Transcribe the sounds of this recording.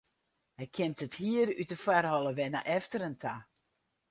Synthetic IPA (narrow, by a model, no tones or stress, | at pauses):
hɛjkʰɪmtəthiəɾytəfwarhɔlˠəʋɛnə̰ʔɛftəɾəntʰa